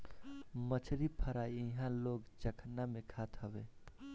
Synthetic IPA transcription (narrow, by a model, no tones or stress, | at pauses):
mət͡ʃʰɾipʰəɾaiiɦãloɡt͡ʃəkʰnamekʰat̪ɦəbḛ